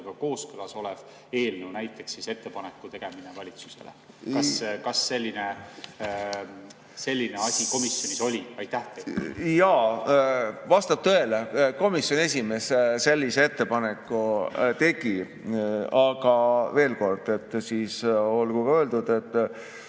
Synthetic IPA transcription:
ɡ̥ɑko̞ːskɯlɑso̞lev̥ | e̞ːlnewnæjt̪ːˑe̞ksise̞t̪ːepɑnekːˑut̪e̞ɡ̥e̞minevɑlʲit̪su̥se̞̰lḛ | kɑskɑsːe̞lʲːine | se̞lʲːineɑsʲiko̞misjonʲiso̞lʲiɑjt̪ːæh̪ejɑ | vɑst̪ɑp̚t̪ø̞e̞leko̞misjo̞ne̞s̬ʲime̞ːsse̞lʲːisee̞t̪ːe̞pɑne̞kːˑut̪e̞ɡ̥i | ɑɡ̥ɑve̞ːlko̞rd̪̥e̞t̪ːsiːso̞lɡ̥ukɑøeld̪̥ud̪̥e̞t̪ːˑ

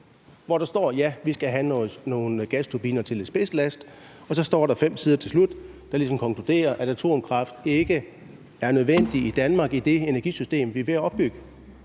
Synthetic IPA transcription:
ʋɒɾ̥ɑ̈sd̥ɒ̰ːjæʋisɡ̥æɦæno̝ːnɡ̥æst͡sʰub̥iːnɐt͡sʰe̝le̥sb̥e̝sd̥læsd̥ | ɒ̽sɒ̽sd̥ɒ̰ːɾɑ̈fem̰sʰiːð̞ˠɐt͡sʰe̝lslud̥d̥ɑ̈lis̬ɒ̽mkʰɒ̽ŋkʰlud̥e̝̰ːɐʔæɾ̥æt͡sʰo̝̰ːmkʰʁɑ̈fd̥e̝ɡ̥ə | æɐnøð̞ˠʋen̰d̥iid̥ænmɑ̈ːɡ̥id̥e̝enæɐɡ̥ḭsysd̥e̝̰ːmʋiʋe̝æɒ̽b̥ːyɡ̥ə

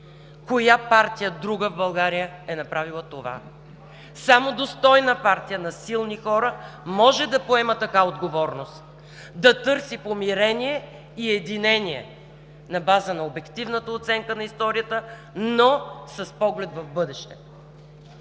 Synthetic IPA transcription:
kojapaɾt̪ijəd̪ɾuɡəvbɐlˠɡaɾijəɛnɐpɾavilˠət̪ova̰ | samod̪ost̪ɔjnəpaɾt̪ijənɐsilˠnixɔɾəmɔʒɛd̪ɐpoɛmət̪ɐkaod̪ɡovɔɾnost̪ | d̪ɐt̪ɤɾsipomiɾɛniɛ | iɛd̪inɛniɛ̰ | nɐbazənɐobɛkt̪ivnət̪əot̪sɛŋkənɐist̪ɔɾijət̪ə | nosɐspɔɡlɛt̪vɐvbɤd̪ɛʃt̪ɛ̥

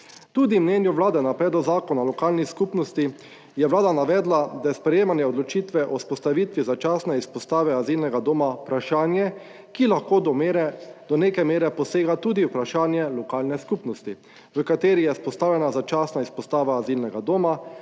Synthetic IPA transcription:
t̪uːd̪imnɛnjuʋlaːd̪ɛnapɾɛːd̪lɔzaːkɔnalɔkaːlniskupnɔst̪i | jɛʋlaːd̪anaʋɛːd̪lad̪ajɛspɾɛjeːmanjɛɔd̪lɔt͡ʃiːt̪ʋɛʔɔspɔst̪aʋiːt̪ʋizat͡ʃaːsnɛispɔst̪aːʋɛaziːlnɛɡad̪oːmapɾaʃaːnjɛ | kilaxkoːɾɛd̪̥ɔneːkɛmeːɾɛpɔseːɡat̪uːd̪iwpɾaʃaːnjɛlɔkaːlnɛskupnɔst̪i | ʋəkat̪eːɾijɛspɔst̪aːwlɛnazat͡ʃaːsnaispɔst̪aːʋaːzilnɛɡad̪oːma

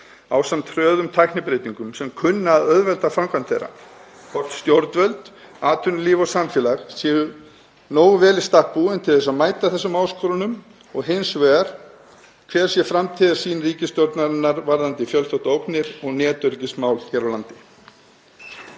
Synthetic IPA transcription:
awsamt̪ʰɾœːðʏmt̪ʰajknɪpɾejt̪iŋkʏmsɛmkʰʏnːaːðœðvɛlt̪afɾamkʰvant̪θejɾːa̰ | pʰɔr̥t̪st̪jowɾt̪vœlt̪ | aːt̪ʰʏnʏliːvɔsamfjɛlaɣsiːɣʏ | noːwɣvɛːlɪst̪ahpuɛnt̪ʰɪlθɛs̬ːaðmaːjt̪aθɛsːʏmaːwskɔɾʏnʏm | ɔɣɦejnsvɛːðaɾ̥ | kʰvɛːɾ̥sjɛfɾamt̪ʰɪːðaɾ̥siːnriːcɪst̪jɔwɾt̪naɾɪnːaɾvaɾðant̪ɪfjœlt̪ɔht̪owknɪɾɔɣnɛːt̪ʏɾcɪsmaːwlçɛːɾawlant̪ɪ

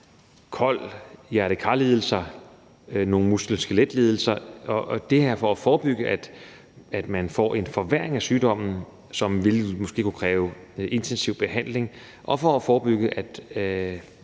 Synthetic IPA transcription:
kʰɒ̽l̰jæɐɾəkʰɑ̈le̝ːðˠl̩sɐ | no̝ːŋ̩musɡ̥lensɡ̥eled̥le̝ːð̞ˠl̩sɐɒʔd̥e̝heɐ̰fɒ̽æfɒːb̥yɡ̥əʔæd̥ | æd̥mænfɒ̰ʔe̝nfɒʋeɐ̰e̝ŋæsyːd̥ɒ̽m̰n̩ | sɒ̽mʋe̝lmɒsɡ̥e̝̰ːkʰukʰʁɛːʊ | e̝nt͡sʰensiʊb̥e̝hæn̰le̝ŋ | ʔɒ̽fɒ̽ːfɒːb̥yɡ̥əʔæd̥

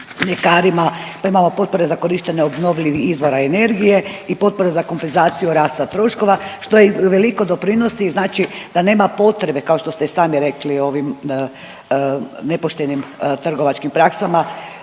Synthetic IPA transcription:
ʎe̞kaːɾimapaimamo̞po̞t̪̚po̞ɾe̞zako̞ɾiʃt̪eɲeobno̞ʋʎʲiʋiizʋo̞ɾaene̞ɾɡije̞ipo̞t̪̚po̞ɾe̞zako̞mpe̞nzaːt̪sijuɾaːst̪at̪ɾo̞ʃko̞ʋaʃt̪o̞jeiʋeliko̞d̪o̞pɾino̞siznaːt͡ʃid̪ane̞ːmapo̞t̪ɾe̞be̞kao̞ʃt̪o̞st̪esaːmiɾe̞klio̞ʋim | nepo̞ʃt̪enimt̪r̩ɡo̞ʋat͡ʃkimpɾaksama

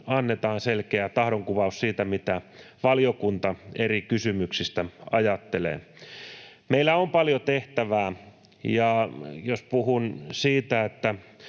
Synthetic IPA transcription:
ɑnːet̪ɑːnselkeæt̪ɑhɾoŋkuʋɑussiːt̪æmit̪æ | ʋɑljokunt̪ɑerikysymyksist̪æɑjɑt̪ːelḛː | meilːˑæompɑljot̪eht̪æʋæː | jɑjospuhunsiːt̪æet̪ːæ

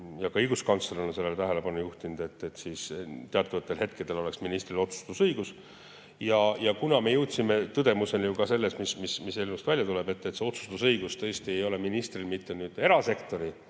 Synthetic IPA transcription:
jɑkɑɤjɡ̥uskɑnt̪sleɾenonse̞lːelt̪æɦele̞pɑnujuht̪inud̪̥e̞t̪ːˑet̪ːˑsiːst̪eɑt̪ːˑuvɑt̪ːˑe̞lɦe̞t̪̚ke̞d̪̥e̞lo̞leksminist̪rilo̞t̪su̥st̪usɤjɡ̥us | jɑjɑkunɑme̞jɤwt̪ʲsime̞t̪ɤd̪̥e̞muse̞njukɑse̞lːe̞smismismiselmust̪vælʲjɑt̪ule̞be̞t̪ːet̪se̞o̞t̪su̥st̪usɤjɡ̥ust̪ɤ̞ːst̪ie̞jo̞le̞minist̪rilmit̪ːe̞nyːd̪̥e̞ɾɑse̞kt̪o̞ɾi

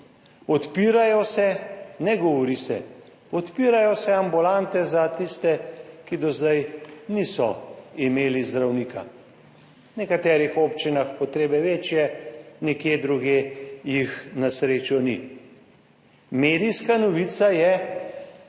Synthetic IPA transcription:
ɔt̪piːɾajɔsɛnɛɡɔʋɔɾisɛ̰ | ɔt̪piːɾajɔsɛambulant̪ɛzat̪ist̪ɛkid̪ɔzd̪ajnisɔimeːlizd̪ɾawniːkʰa̰ | nɛkat̪ɛːɾixopt͡ʃinaxpɔt̪ɾeːbɛʋeːt͡ʃjɛnɛkjeːd̪ɾuɡeːjixnasɾeːt͡ʃjɔnḭ | meːd̪ijskanɔʋit̪sajɛ

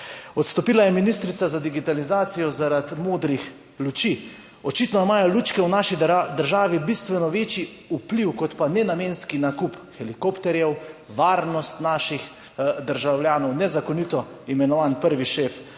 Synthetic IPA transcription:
ɔt̪st̪ɔpiːlajɛminist̪ɾit̪sazad̪iɡit̪alizaːt̪sijɔzaɾat̪moːd̪ɾix | lut͡ʃiː | ɔt͡ʃit̪nɔmaːjɔluːt͡ʃkɛwnaːʃid̪əɾʒaːʋibist̪ʋɛnɔʋeːt͡ʃiupliwkɔt̪panɛnameːnskinakupxɛlikopt̪ɛɾjɛwʋaːɾnɔst̪naːʃix | d̪əɾʒawljaːnɔwnɛzakɔnit̪ɔ | imɛnɔʋaːnpəɾʋiʃef

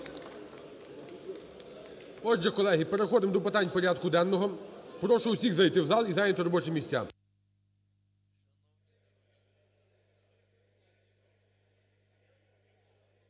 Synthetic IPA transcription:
ɔʒɛkɔlˠɛɦʲipeɾexɔd̪ɪmd̪ɔpɪt̪ɑnʲpɔɾʲad̪kʊd̪ɛnːɔɦɔpɾɔʃʊʊsʲiɣzɐjt̪ɪwzɑlˠizɑjnʲɔt̪ɪɾɔbɔt͡ʃɪmʲisʲa̰

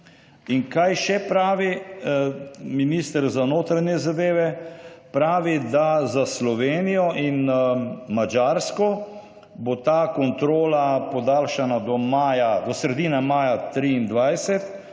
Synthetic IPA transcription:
inkajʃɛpɾaːʋi | minist̪əɾzanoːt̪ɾaɲjɛzad̪eːʋɛpɾaːʋid̪azaslɔʋeːnijɔʔin | mad͡ʒaɾskɔ | bot̪aːkɔnt̪ɾoːlapɔd̪aːlʃanad̪ɔmaːjad̪ɔsɾɛd̪iːnamaːjat̪ɾiːnd̪ʋajsɛt̪

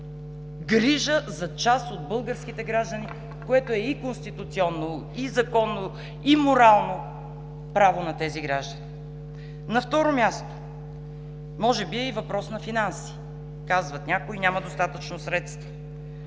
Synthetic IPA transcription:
ɡɾiʒəzɐt͡ʃasod̪̚bɤlˠɡəɾsk̟it̪ɛɡɾaʒd̪əni | koɛt̪oɛikonst̪it̪ut̪siɔnːo | izɐkɔnːo | imoɾalˠno | pɾavonɐt̪ɛziɡɾaʒd̪əni | nɐft̪ɔɾomʲast̪o̥ | mɔʒɛbiɛivɐpɾɔsnɐfinansi̥ | kazvɐt̪nʲakoinʲamɐd̪ost̪at̪ət͡ʃnosɾɛt̪st̪və

